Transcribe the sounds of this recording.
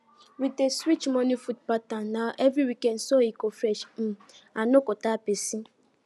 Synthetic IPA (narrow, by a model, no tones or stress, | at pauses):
ɾiteswit͡ʃmɔnifud̚patannaʔevɾiwikɛn̩sɔikofɾɛʃm̩ | anʊkʊtapesi